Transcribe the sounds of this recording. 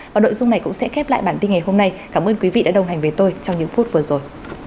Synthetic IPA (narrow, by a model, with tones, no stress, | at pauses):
vaː˨˩no̰˧˨jzʊ˧ŋ͡mna˨˩jkʊ̰˧˥ŋ͡msɛ̰˧˥xɛ˦˥p̚la̰ː˧˨jɓaː˧˩nt̪i˧nŋa˨˩jɦo˧mna˧jkaː˧˩mʔəː˧nkwi˨˦vḭ˧˨ɗa̰˧˥ɗə˨˩wɦa˨˩jŋ̟ve˨˦t̪o˧jt͡ɕɔ˧wŋ͡mɲɨ̰˧˥ŋfu˦˥t̚vɨ˨˩zo˨˩j